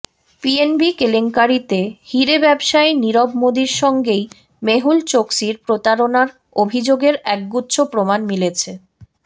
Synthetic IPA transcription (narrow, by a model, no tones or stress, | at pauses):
pienbikeleŋkaɾit̪ehiɾebɛbʃaeniɾobmod̪iɾʃɔŋɡej | meɦult͡ɕoksiɾpɾot̪aɾonaɾ | obʱid͡ʑoɡeɾɛk̚ɡutːɕʰopɾomanmilet͡ɕʰe